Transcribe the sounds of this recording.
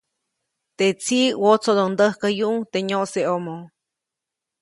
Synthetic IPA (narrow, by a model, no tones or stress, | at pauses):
t̪et͡siwot͡sod̪ond̪əhkəjuʔŋt̪eɲoʔseomo